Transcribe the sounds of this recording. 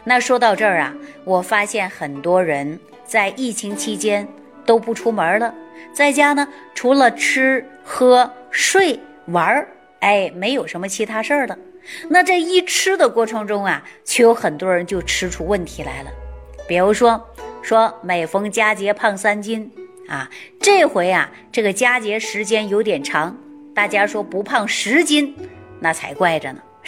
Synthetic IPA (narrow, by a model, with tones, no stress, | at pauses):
na˥˩ʂwɔ˥t̪ɑ˥˧ʊʈ͡ʂə˞˥˩ɐ̰˩wɔ˨˩fa˥ɕjɛ˥˩nxə˨˩nt̪wɔ˥ɻə˧˥n | t͡sa˥˧ɪʔi˥˩t͡ɕʰi˧˥ŋt͡ɕʰi˥t͡ɕjɛ˥n | t̪o˥ʊpu˥˩ʈ͡ʂʰu˥mə˞˧˥lə˧t͡sa˥˩ɪt͡ɕja˥nə˨ʈ͡ʂʰu˧˥lə˨ʈ͡ʂʰɻ̩˥ | xɤ˥ʂwe˥˩ɪ | wə˧˥ | e˥˩ɪme˧˥ɪjo˨˩ʊʂə˧˥nmə˧t͡ɕʰi˧˥t̪ʰa˥ʂə˞˥˩d̪ə˩ | na˥˧ʈ͡ʂɤ˥˩i˥ʈ͡ʂʰɻɻ̩˥d̪ə˨kwɔ˥˩ʈ͡ʂʰɤ˧˥ŋʈ͡ʂʊ˥ŋɐ˨t͡ɕʰɛ˥˩jo˧˥ʊxə˨˩nt̪wɔ˥ɻə˧˥nt͡ɕjo˥˩ʊʈ͡ʂʰɻ̩˥ʈ͡ʂʰu˥wə˥˩nt̪ʰi˧˥la̰˧˥ɪlə̰˧pi˨˩ɻu˧˥ʂwɔ˥ʂwɔ˥me˨˩ɪfɤ˥ŋt͡ɕja˥t͡ɕjɛ˧˥pʰɑ˥˩ŋsa˥nt͡ɕi˥n | a˩ʈ͡ʂe˥˩ɪxwe˧˥ɪa̰˩ | ʈ͡ʂɤ˥˩ɡə˩t͡ɕja˥t͡ɕjɛ˧˥ʂɻ̩˧˥t͡ɕjɛ˥njo˧˥ʊt̪jɛ˨˩nʈ͡ʂʰɑ˧˥ŋt̪a˥˩t͡ɕja˥ʂwɔ˥pu˧˥pʰɑ˥˩ŋʂɻ̩˧˥t͡ɕi˥nna˥˩t͡sʰa˧˥ɪkwa˥˩ɪʈ͡ʂə˩nə̰˩